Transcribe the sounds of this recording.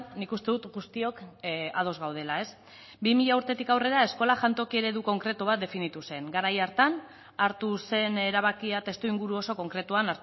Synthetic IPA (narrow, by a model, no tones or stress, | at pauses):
nikust̪e̞ðut̪ɡust̪iokað̞o̞zɣawð̞e̞lae̞s | bimiʎauɾt̪e̞t̪ikawre̞ɾae̞sko̞laʝant̪o̞kie̞ɾe̞ðuko̞ŋkɾe̞t̪uβ̞at̪̚d̪e̞finit̪use̞ŋɡaɾajaɾt̪an | aɾt̪use̞ne̞ɾaβ̞akiat̪e̞st̪uiŋɡuɾuo̞so̞ko̞ŋkɾe̞t̪uanaɾt̪